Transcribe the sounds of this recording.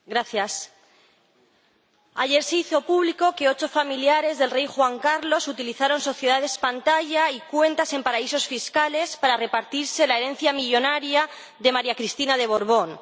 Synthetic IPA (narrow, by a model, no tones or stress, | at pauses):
ɡɾaθjas | aʝe̞ɾseiθo̞puβliko̞ke̞ot͡ʃo̞familjaɾe̞zðelre̞jxwaŋkaɾlo̞sut̪iliθaɾo̞nso̞θjeðaðe̞spant̪aʝaikwe̞nt̪ase̞mpaɾaiso̞sfiskale̞spaɾare̞paɾt̪iɾse̞laeɾe̞n̟θjamiʝo̞naɾja | ðe̞maɾjakɾist̪inaðe̞β̞o̞ɾβ̞o̞n